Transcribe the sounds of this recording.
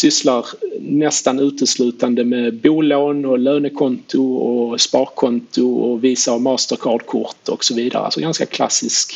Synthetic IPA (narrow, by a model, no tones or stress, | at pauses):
sʏslaɾnɛst̪anʉ̟ːt̪əslʉ̟ːt̪and̪əmɛbuːloːnɔløːnəkʰɔnt̪ʰʊɔspɑːɾkʰːɔnt̪ʊɔviːsaːvmɑːst̪əɾkʰɑːɖ̪kʰʊ̰ɾt̪ʰɔksɔviːd̪a̰ɾəa̰sɔɡanska̰kʰla̰sːɪsk